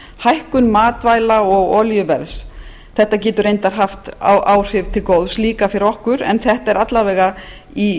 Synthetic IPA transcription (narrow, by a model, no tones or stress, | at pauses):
hajhkʏnmaːt̪vaːjlaɔɣɔːljʏvɛɾðs | θɛht̪ːacɛːt̪ʏɾejnt̪aɾ̥ɦaft̪a̰wʔaːwr̥ɪvt̪ʰɪlkowðsliːkafɪɾɪɾɔhkʏɾɛ̰nθɛht̪aɛɾat̪laɾvɛːɣa | i